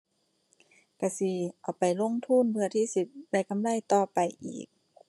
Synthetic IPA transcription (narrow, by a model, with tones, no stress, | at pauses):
ka˧˩si˧ʔa˨˩wpa˨jlo˧˥˨ŋt̪ʰu˧˥˨npʰɯ˧ɐt̪ʰiː˧˥˨si˧˦t̪̚da˧˩˨jka˧˨mlaː˧˥˨jt̪ɔː˧˩pa˨jʔḭː˨˩k̚